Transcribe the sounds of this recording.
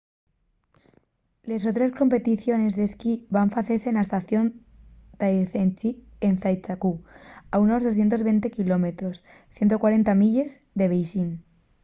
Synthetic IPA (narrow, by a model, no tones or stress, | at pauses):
le̞sot̪ɾe̞sko̞mpe̞t̪iθjo̞ne̞zðe̞skiβaɱfaθesenlaest̪aθjo̞n | t̪ajθent͡ʃi | enθajt͡ʃakuauno̞zðoθje̞nt̪̬oβent̪e̞kilo̞me̞t̪ɾo̞s | θje̞nt̪okwaɾe̞nt̪amiʎe̞z | ðe̞β̞ejʃin